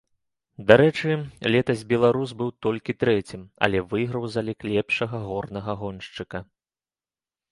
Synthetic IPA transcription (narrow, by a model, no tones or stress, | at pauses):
d̪aɾɛt͡ʂɨlʲɛt̪ɐzʲbʲɛlˠaɾusbɨwt̪ɔlʲkʲit̪ɾɛt͡sʲimɐ̰lʲɛvɨɣɾɐwzalʲɛklʲɛpʂɐɣɐɣɔrnɐɣɐɣɔnʂt͡ʂɨkɐ